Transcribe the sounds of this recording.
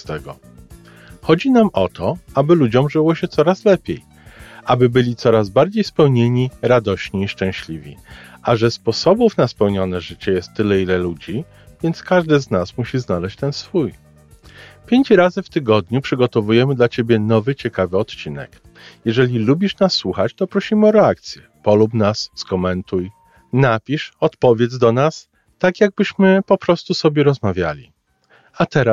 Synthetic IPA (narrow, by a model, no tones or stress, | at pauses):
t̪ɛɡɔ | xɔd͡ʑinamʔɔt̪ʰɔabɘlud͡ʑɔmʐɘwɔɕɛt̪sɔɾaslɛpʲjej | ʔabɘbɘlʲit̪sɔɾazbaɾd͡ʑejspɛwɲeɲiɾad̪ɔɕɲiːʂt͡ʂɛ̃ɕlʲivʲḭʔaʐɛspɔsɔbufnaspɛwɲɔnɛʐɘt͡ɕɛjɛst̪ːɘlɛilɛlud͡ʑi | vʲjɛnt̪skaʐd̪ɘznasmuɕiznalɛɕt͡ɕt̪ɛnsfuj | pʲjeɲt͡ɕɾazɘft̪ɘɡɔd̪ɲupʂɘɡɔt̪ɔvujɛmɘd̪lat͡ɕebʲjɛnɔvɘt͡ɕɛkavɘɔt̪t͡ɕinɛ̰k | jɛʐɛlʲilubʲiʂnasːwuxat͡ɕt̪ɔpɾɔɕimɘɔɾɛak̚t̪sʲjɛ | pɔlupnasːkɔmɛnt̪uj | napʲiʂɔt̪pɔvʲjɛd̪zd̪ɔnas | t̪akjaɡ̚bɘɕmɘpɔpɾɔst̪usɔbʲjɛɾɔzmavʲja̰lʲḭ | at̪ɛɾa